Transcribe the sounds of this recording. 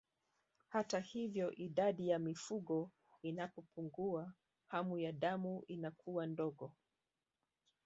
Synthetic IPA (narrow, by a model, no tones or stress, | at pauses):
hatahivjɔʔiɗaɗijamifuɠɔ | inapɔpuŋɡua | hamujaɗamuʔinakʰuwandɔɠɔ